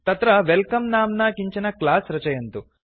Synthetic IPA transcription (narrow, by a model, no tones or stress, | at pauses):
t̪ɐt̪ɾɐʋelkɐmnaːmnaːkiɲt͡ʃinɐklaːsɾɐt͡ʃɐjɐnt̪u